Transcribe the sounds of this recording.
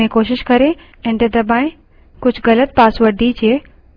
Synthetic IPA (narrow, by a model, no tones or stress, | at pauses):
ẽkoːʃɪʃkɐɾe | ẽːɳɖed̪ɐbãːɪ̃ | kʊd͡ʑʱɣɐlət̪̚paːsʋəɾɖʱid͡ʑeː